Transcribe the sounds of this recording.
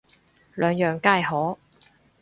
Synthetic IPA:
lœː˨˧ŋjœː˨ŋkaː˥˧jhɔː˨˥

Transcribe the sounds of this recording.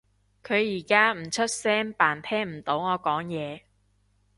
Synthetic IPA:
kʰɵ˨˧ɥjiː˨˩kaː˥m̩˨˩t͡ʃʰɵ˥t̚sɛː˥ŋpaː˨˩nt̪ʰɛː˥ŋm̩˨˩t̪o˨˥wŋɔː˨˧kɔː˨˥ŋjɛː˨˧

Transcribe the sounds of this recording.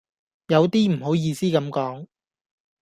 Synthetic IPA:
jɐ˨˧wt̪iː˥m̩˨˩ho˨˥wjiː˧siː˥kɐ˨˥mkɔː˨˥ŋ

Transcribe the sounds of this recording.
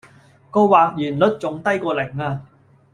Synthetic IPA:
ko˧wwaː˨˩k̚jyː˨˩nlɵ˥t̚t͡sʊ˨˧˥ŋt̪ɐ˥jkɔː˧lɪ˨˩ŋːaː˧

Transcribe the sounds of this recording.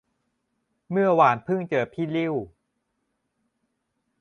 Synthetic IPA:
mɯ˥˩ɐwaː˨˩npʰɯ˥˩ŋt͡ɕɤː˨˩pʰiː˥˩li˥˩w

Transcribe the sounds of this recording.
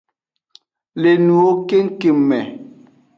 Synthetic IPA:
le˨nu˨o˦ke˦ŋ̩˦ke˨mːɛ˨

